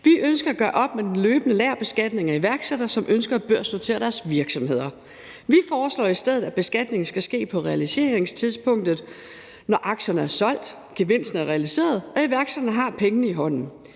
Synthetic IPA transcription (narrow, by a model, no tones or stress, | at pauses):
ʋiʔønsɡ̥ɐæɡ̥ɶːɐʔɒ̽b̥med̥en̩løːb̥ənəlæɐ̰b̥e̝sɡ̥æd̥ne̝ŋæiʋæɐɡ̥seɾ̥ɐsɒ̽mʔønsɡ̥ɐb̥øɐ̰snot͡sʰe̝̰ːɐd̥æɐsʋiɐɡ̥sɒ̽mhe̝ð̞̰ˠɐ | ʋifɒːslɒ̰ːisd̥eð̞̰ˠð̩ˠæb̥e̝sɡ̥æd̥ne̝ŋn̩sɡ̥æsɡ̥e̝̰ːpʰɒ̽ʁɛælise̝ːɐʁeŋst͡sʰiðˠspʰɔ̽ŋ̰d̥ð̩ˠ | nɒʔɑ̈ɡ̥ɕɐnəæɐsɒ̽l̰d̥ | ɡ̥e̝ʋe̝n̰sn̩æɐʁɛælise̝̰ːɐð̞ˠɒ̽iʋæɐɡ̥sed̥ɐnəɦɑ̈pʰeŋənəiɦɒ̽n̰n̩